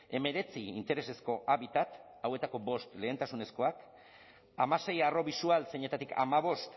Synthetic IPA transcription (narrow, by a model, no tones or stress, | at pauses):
e̞me̞ɾe̞t͡siint̪e̞ɾe̞se̞sko̞ʔaβit̪at̪ | awe̞t̪ako̞bo̞st̪le̞ːnt̪asune̞sko̞ak | amase̞jaro̞βisualseɲe̞t̪at̪ikʰa̰maβ̞o̞st̪